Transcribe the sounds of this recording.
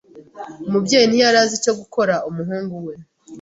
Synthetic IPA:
mubɟeːjinijaɾaːzico̞ɡuko̞ɾaumuɦuːŋɡuwe̞

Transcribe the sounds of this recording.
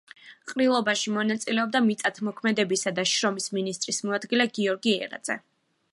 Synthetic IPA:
qʼɾilˠɔbaʃimɔnat̪sʼilɛɔb̚d̪amit̪sʼat̪ʰmɔkʰmɛd̪ɛbisad̪aʃɾɔmisminist̪ʼɾismɔad̪ɡilɛɡiɔɾɡiɛ̰ɾa̰d̪zɛ̰

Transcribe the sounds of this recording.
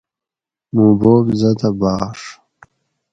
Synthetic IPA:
muːboːbzɐt̪ɐbaːʂ

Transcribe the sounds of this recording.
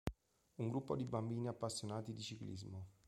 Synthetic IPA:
uŋɡɾupːod̪ibambiːniapːasːjonaːt̪id̪it͡ʃiklḭzmo

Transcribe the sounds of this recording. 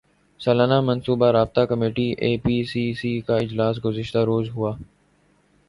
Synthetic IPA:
sɐlaːnamɐnsuːbaɾaːb̚t̪akɐmeːʈiʔeːpiːsiːsikaɪd͡ʒlaːs̬ɡʊzɪʃt̪aɾoːzɦuaː

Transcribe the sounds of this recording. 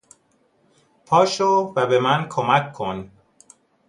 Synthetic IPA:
pʰɒːʃovæbe̞mænkʰomækʰːon

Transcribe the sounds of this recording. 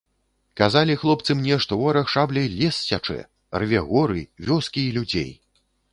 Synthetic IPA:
kazalʲixlˠɔp̚t̪sɨmnʲɛʂt̪ɔɔɾɐxʂablʲɐjlʲɛsːʲat͡ʂɛ̰ | rvʲɛɣɔɾɨvʲɔskʲiːlʲud͡zʲḛj

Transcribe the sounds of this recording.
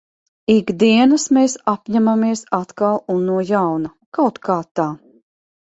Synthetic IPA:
iɡd̪iɛnɐsmeːsapɲæmamiɛsat̪kalˠunːuɔjawna | kawt̪kaːt̪ːaː

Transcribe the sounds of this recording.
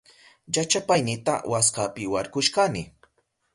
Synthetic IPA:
jat͡ʃapajnɪt̪a̰wʔaskapɪwaɾkʊʃkanɪ

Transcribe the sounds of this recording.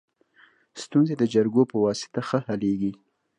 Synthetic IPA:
st̪unzed̪əd͡ʒaɾɡopəwɑsɪ̥t̪axəhaleɡi

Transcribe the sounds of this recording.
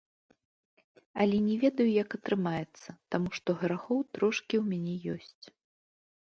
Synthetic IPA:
ɐlʲɛnʲɛvʲɛd̪ɐjujɐkɐt̪ɾɨmajɛt̪sːɐt̪amuʂt̪ɔɣɾaxɔwt̪ɾɔʂkʲiwmʲanʲɛjɔsʲt͡sʲ

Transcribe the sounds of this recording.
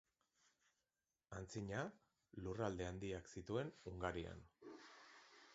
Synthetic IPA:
ant͡siɲa | lurald̪e̞and̪iaksit̪ue̞nuŋɡaɾia̰n

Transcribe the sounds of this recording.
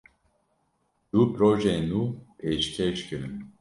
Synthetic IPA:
d̪̥upɾoʒeːnuːpʰeːʃkʰeʃkɨɾɨn

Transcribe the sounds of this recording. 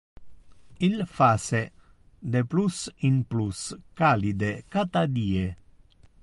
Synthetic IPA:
ilfase | d̪eplusinpluskalid̪ekat̪ad̪ie

